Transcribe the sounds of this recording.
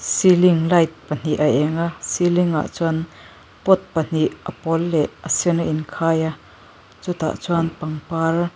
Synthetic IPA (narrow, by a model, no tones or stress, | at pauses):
siliŋlɐjt̪̚pɐn̥iʔɐʔɛŋasiliŋa̰ʔt͡suan | pɔt̪̚pɐn̥iʔɐpɔlːɛʔəsinaʔinkʰaːja | t͡sut̪a̰ʔt͡suanpɐŋpar